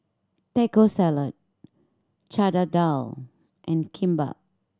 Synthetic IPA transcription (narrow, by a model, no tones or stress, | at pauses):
tɛkosɛlət̚ | t͡ʃadadal | ʔɛ̃nkʰĩmba̰p̚